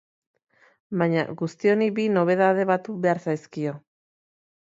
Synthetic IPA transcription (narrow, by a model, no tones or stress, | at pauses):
baɲa̰ɣust̪io̞nibino̞β̞e̞ð̞að̞e̞βat̪ube̞aɾsajskio̞